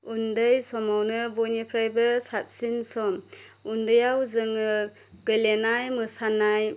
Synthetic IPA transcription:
undɯjsɔmawnɯbɔnipʰɾajbɯsap̚sinsɔm | undɯjawzɯŋɯ | ɡ̥ɯlenajmɯsanaj

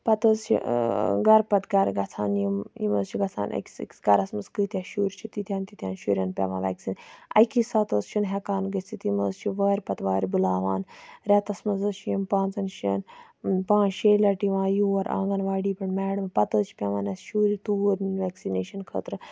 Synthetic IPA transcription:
pɐt̪əzt͡ʃʰḭɡɐɾpɐt̪ɡɐɾɡɐt͡sʰaːnjimjḭmə̰ːzt͡ʃʰiɡɐt͡sʰa̰ːnʔɐ̰ki̥sɐ̰kʲsɡɐɾɐsmɐskɨːt̪ʲjaʃuːɾt͡ʃʰit̪it̪ʰʲjaːnt̪it̪ʰʲjaːnʃuɾʲjɐːnpʲḛʋã̰ːʋɛ̰ːksinɐ̰kisɐt̪əːzt͡ʃʰinɦɛkaːnɡət͡sʰit̪iməːzt͡ʃʰiʋɐːɾʲpɐt̪ʋaːɾʲibulaːʋaːnɾɛt̪ɐsmɐzɐʃʰjimpãːnt͡sɐnʃɐːn | pãːnʃeːlɐʈiʋãːjuːɐɾʔa̰ːŋɡɐnʋaːɽiːpɐɳmɛːɽɨmpɐt̪əzt͡ʃʰi̥pʲaʋaːnɐsʃuːɾit̪uːəɾninʋɛːksineːʃɐnkʰə̰ːt̪ɾɨ

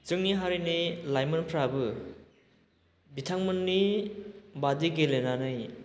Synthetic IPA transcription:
t͡ʃɯŋniɦaɾinilajmɯnpʰɾabɯ | bitʰaŋmɯnːi | badiɡelenanɯj

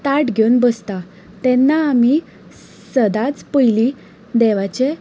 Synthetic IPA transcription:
t̪aʈɡʱewnbəst̪a | t̪ɛnːaːmi | səd̪at͡spəjli | d̪ɛʋat͡ɕe

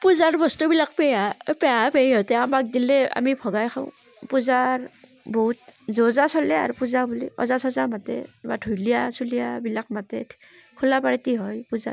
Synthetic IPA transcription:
puzaɹbɔstubilak̚pɛjapɛjapejɦɔtɛamak̚dilɛa̰mipʰɔɡajxʰaʊ̃ | puzaɹ | bɔɦut̚zɔzasɔlɛa̰ɹupuzabulḭɔ̰zasɔzamatɛ̰badʰʱujlijasulijabilak̚matɛ | kʰulapaɹitiɦɔjpuza̰

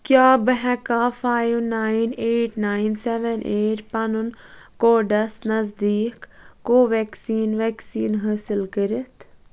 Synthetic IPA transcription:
kjaːbəɦɛ̃kaːfaːjʋnaːineːʈnaːinsɛʋɛnʔeːʈpɐnunkoːɖɐsnɐzd̪iːkːoːʋɛːksiːnʋɛːksiːnɦaːsilkəɾət̪ʰ

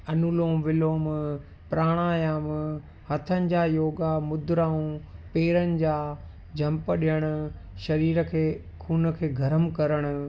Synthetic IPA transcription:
ɐnulõːʋɪloːm | pɾaːɽ̃aːjaːm | hɐt̪ʰənɪ̆d͡ʑaːjoːɡamʊd̪ɾaːũpeːɾənɪ̆d͡ʑaː | d͡ʑʱɐ̃mpəɗijəɽ̃ʊ̆ | ʃɐɾiːɾə̆kʰeː | kʰuːnkʰeːɡʱɐɾəmkɐɾəɽ̃ʊ̆

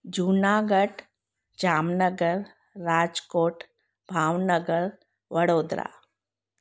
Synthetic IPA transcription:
d͡ʒuːnaːɡəʈ | d͡ʒaːmnəɡəɾː | aːd͡ʒkoːʈ | bʱaːʋnəɡəɾ | ʋəɽoːd̪ɾa̰ː

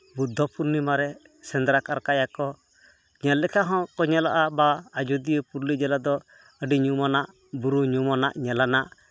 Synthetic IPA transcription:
bud̪ʱːɔpuɾnimaɾɛ | sɛnd̪ɾakaɾkajakɔ | ɲalːɛkaɦɔ̃kɔɲalaʔabaːd͡ʒud̪ijəpuɾlid͡ʒalad̪ɔ | əɖiɲumanaʔ | buɾuɲumanaʔɲalanaʔ

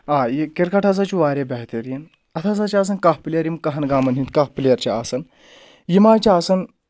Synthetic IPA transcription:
ajikeɾkaʈʰaz̬at͡ʃuʋaːɾʲebɛɦt̪eɾjin | ɐt̪ʰat͡sat͡ɕaːs̬ɐnkaɦplʲjɐɾimkɐɦɐnɡaːmɐnɦĩnt̪kapljɐɾt͡ɕaasɐn | jimaːt͡ɕaaːsɐn

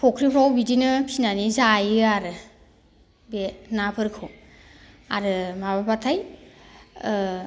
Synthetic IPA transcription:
pʰɔkʰɾipʰawbidinɯpʰinanizajɯaɾɯ | benapʰɯɾkʰɯw | aɾɯmababatʰaj

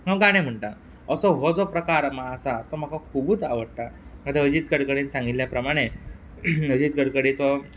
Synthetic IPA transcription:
məɡaɽ̃em̤əɳʈa | əsɔɦod͡zopɾəkaɾmaəsat̪ɔm̤akakʰubuːt͡saʋəɽʈ̪amət̪eɦəd͡ʑiːt̪̚ɡəɽkəɽĩnt͡sãŋɡiljapɾəmaɽ̃e | əd͡ʑiːt̪̚ɡəɽkəɽit͡sɔ

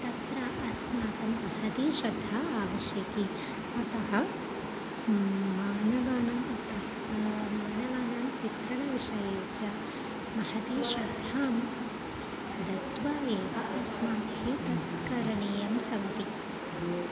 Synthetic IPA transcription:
t̪ɐt̪ɾaːʔɐsmaːt̪ɐmːɐhɐd̪iːʃɾɐd̪ʱːaaːʋɐʃjɐki | ɐt̪ɐɦɐ | maːnɐʋɐnɐmɐt̪ɐɐ | maːnɐʋɐnaːmt͡ʃit̪ɾɐɳɐʋiʃɐjɐɐt͡ʃɐ | mɐhɐd̪iːʃɾɐd̪ʱːaːm | d̪ʱɐt̪ʋaːjeːʋɐʔɐsmaːt̪ɐhit̪ɐt̪kɐɾɐɳeːjɐmhɐʋɐt̪i

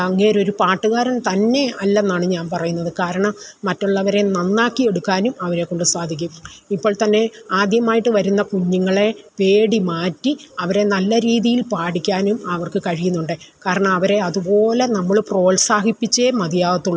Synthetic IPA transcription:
ɐŋːeːɾo̞ɾupaːʈːuɣaːɾɐmt̪ɐnːe̞ɐlːɐenːaːɳɨɲaːnpɐrɐjunːɐðɨkaːɾɐɳɐmːɐtːoɭːɐʋɐɾe̞nɐnːaːkːie̞ɽukːaːnumɐʋɐɾe̞kːo̞ɳɖɨsaːd̪ʱik̬ʲːuipːo̞ːɭt̪ɐnːe̞aːd̪jɐmaːjiʈːɨʋɐɾunːɐkuɲːuŋːɐɭe̞ʋe̞ːɽimaːtːiɐʋɐɾe̞nɐlːɐɾiːðijilpaːɽikʲːaːnumɐʋɐrkɨkɐɻijunːuɳɖɨ | kaːɾɐɳɐmɐʋɐɾe̞ɐðubo̞ːle̞nɐmːɐɭpro̞ːɭsaːɦipːit͡ɕːemɐd̪jaːʋɐt̪ːuɭːɐ

